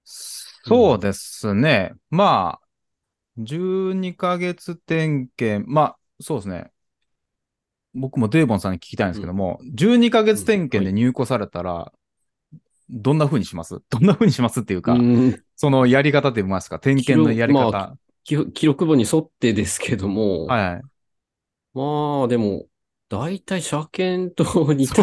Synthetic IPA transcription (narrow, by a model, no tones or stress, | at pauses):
o̞ːd̪e̞sɨne̞maː | d͡ʑɨːɲ̟ikaɡe̞t͡sɨt̪ẽ̞ŋkẽ̞mma | soːd̪esɨne̞̰ | bo̞kɯ̟mo̞d̪e̞ːbõ̞ñsãɲ̟ːi̥kʲi̥kʲt̪aĩnsɨ̥ked̪o̞mo̞̰d͡ʑɨːɲ̟ikaɡe̞t͡sɨ̥t̪ẽ̞ŋkẽ̞nd̪e̞ɲ̟ɨːko̞saɾe̞t̪aɾa̰ | d̪õ̞nːaɸɯ̟ːɲ̟iɕimasɨ̰d̪̥õ̞nːaɸɯ̟ːɲ̟iɕimasɨt̪ːejɯ̟ːka̰ | so̞no̞jaɾʲikat̪at̪̬ːeimasɨ̥kat̪ẽ̞ŋkẽ̞nːo̞jaɾʲiakat̪a | kʲkʲiɾo̞kɯ̟bo̞ɲ̟iso̞t̪ːe̞d̪e̞sɨ̥kʰed̪o̞mohajhai | maːd̪e̞mo̞ | d̪̥ait̪aiɕakẽ̞nt̪oɲ̟i